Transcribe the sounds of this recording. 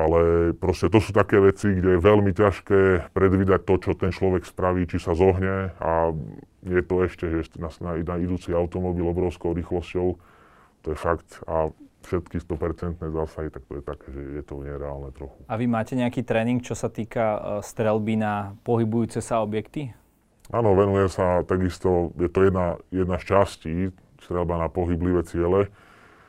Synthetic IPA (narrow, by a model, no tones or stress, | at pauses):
alɛpɾɔscɛt̪ɔsuːt̪akɛːʋɛt͡siɡɟɛjɛʋɛlmicaʃkɛːpɾɛd̪ʋiːd̪ac̚t̪ɔt͡ʃɔt̪ɛnt͡ʃlɔʋɛkspɾaʋiːt͡ʃisazɔɦɲɛa | jjɛt̪ɔɛʃcɛʒɛsnasnaiaid̪uːt͡siaʊt̪ɔmɔbiːlɔbɾɔʊskɔʊɾiːxlɔscɔʊ | t̪ɔjɛfakt̪afʃɛt̪kist̪ɔpɛɾt͡sɛnt̪nɛːzaːsaɦit̪ak̚t̪ɔjɛt̪akɛːʒɛjɛt̪ɔɲɛɾɛaːlnɛt̪ɾɔxuaʋimaːcɛɲɛakiːt̪ɾɛːniŋkt͡ʃɔsat̪iːkast̪ɾɛlbinapɔɦibujuːt͡sɛsaɔbjɛkt̪i | aːnɔʋɛnujɛsat̪aɡist̪ɔjɛt̪ɔjɛd̪najɛd̪nast͡ʃasciː | st̪ɾɛlbanapɔɦibliʋɛt͡sɪɛlɛ